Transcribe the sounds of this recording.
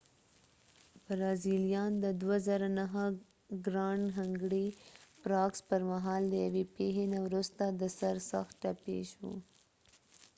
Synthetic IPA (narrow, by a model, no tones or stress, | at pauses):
b̥ɾɑzilijɑnd̪əd̪wazɑɾanaɦa | ɡɾɑɳɦaŋɡɽipɾɑkspəɾmaɦɑld̪əjawepeɦenawɾust̪ad̪əsaɾsa̰xt̪ʈapḛʃṵ